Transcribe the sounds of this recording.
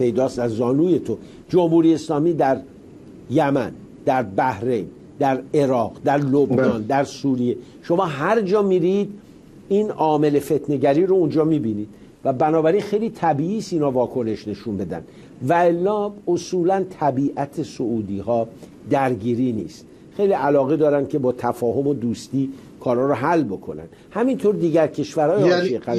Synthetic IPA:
pʰe̞jd̪ɒːst̪æzːɒːnuːje̞t̪ʰo | d͡ʒomhuːɾiːeeslɒːmiːd̪æɾ | jæmæn | d̪æɾbæhɾe̞jn | d̪æɾe̞ɾɒːʁd̪æɾlobnɒːnd̪æɾsuːɾije̞ | ʃo̞mɒːɦæɾd͡ʒɒːmiːɾid̪ | iːnɒːme̞le̞fe̞t̪ʰne̞ɟæɾiːɾo̞und͡ʒɒːmiːbiːniːd̪̥ | væbænɒːbæɾinxe̞jliːt̪ʰæbiːiːst̪iːnhɒːvɒːkʰo̞ne̞ʃne̞ʃunbe̞d̪æ̰nd̪ | væelːɒːosuːlænt̪ʰæbiːʔæt̪ʰe̞soʔuːd̪iːhɒː | d̪æɾɡiːɾiːnḭːst̪ | xe̞jliʔælɒːɣe̞d̪ɒːɾænd̪̥̚cʰʲe̞bɒːt̪ʰæfɒːɦo̞mo̞d̪uːst̪iː | kʰɒːɾhɒːɾoɦælːbo̞kʰo̞næ̰nd̪hæmint̪ʰoɾd̪iːɟæɾcʰe̞ʃvæɾɒːjeʃieɣæ

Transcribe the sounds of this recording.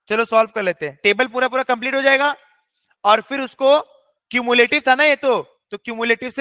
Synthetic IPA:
t͡ʃɐlosɔːlb̚kɐɾleːt̪eɦɛ̃ʈeːbəlp̬uːɾapuːɾakɐ̃mpliːʈɦod͡ʒaːeːɡaː | ɔːɾfɪɾʊsko | kjuːmjuleːʈɪʋt̪ʰanajet̪o | t̪okjuːmjuleːʈɪʋse

